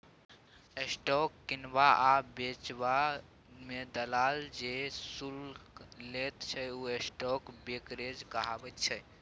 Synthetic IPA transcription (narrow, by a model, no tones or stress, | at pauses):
esʈɔkːinbaʔabet͡ʃba | med̪əlald͡ʒesulː | et̪t͡ʃʰɛuesʈɔkbekɾed͡ʒkəɦabət̪̚t͡ʃʰɛ